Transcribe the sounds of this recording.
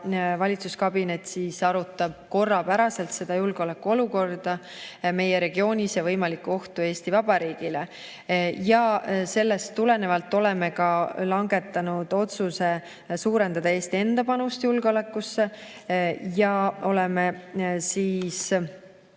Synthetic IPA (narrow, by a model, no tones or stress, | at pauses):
vɑlʲit̪suskɑbine̞t̪ːˑsiːsɑɾut̪ːˑɑb̥̚ko̞rːɑpæɾɑse̞lt̪se̞d̪̥ɑjulɡ̥o̞le̞kːuo̞luko̞rd̪̥ɑ | me̞je̞ɾe̞ɡ̥io̞ːnʲisjɑvɤjmɑlikːuo̞ht̪ue̞ːst̪ivɑb̥ɑɾiːɡ̥ile | jɑse̞lːest̪ːule̞ne̞vɑlt̪ːˑo̞le̞me̞kɑlɑŋɡe̞t̪ːˑɑnud̪̥o̞t̪suse̞ | suːɾe̞nd̪ɑd̪̥ɑe̞ːst̪ie̞nd̪̥ɑpɑnust̪julɡ̥eo̞le̞kːˑusːe̞ | jɑo̞lemesiːs